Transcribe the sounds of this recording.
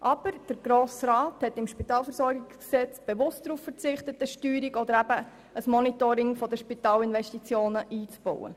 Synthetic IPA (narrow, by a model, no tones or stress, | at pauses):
ʔɑb̥əɾd̥əɾɡ̥ɾoːsrɑːthɛtɪmʃpitɑːlfəɾsɔɾɡɪksksɛt͡sb̥evʊst̚d̥ɾuːffəɾt͡sɪχtətəʃtyːɾikɔd̪əɾæbə | əsmɔnitoɾɪŋfɔd̪əʃpitɑːlɪnvɛʃtit͡sjoːnəʔiːt͡sb̥o̰wə̰